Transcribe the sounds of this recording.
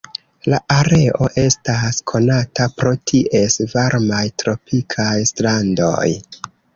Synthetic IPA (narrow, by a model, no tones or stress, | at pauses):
laʔaɾe̞ʔo̞ʔe̞staskʰo̞natapɾo̞tʰiʔe̞svaɾmajtɾo̞pikʰajstɾando̞̰j